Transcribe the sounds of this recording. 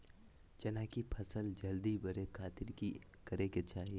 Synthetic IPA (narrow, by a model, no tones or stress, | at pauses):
d͡ʒɐnaːkipʰɐsəld͡ʒɐld̪ibɐɾekʰaːt̪ɪɾki | kɐɾeket͡ʃaːɦie